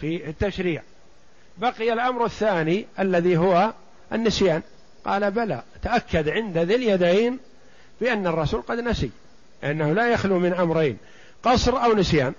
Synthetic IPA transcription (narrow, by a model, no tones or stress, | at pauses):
fit̪ːaʃɾiːʕ | baqɪjalʔamɾaθːaːniʔalːaðiɦʊwa | ʔɪnːɪsjaːn | qɑ̰ːlabalat̪aʔakʰːad̪ʕɪnd̪aðɪljad̪ejn | b̥ɪʔanːɑrˤːɑsuːlqɑd̪nasḭ | lɪʔanːahʊlajaxlumɪnʔamɾˤeːn | qɑsˤɾʔawnɪsjaːn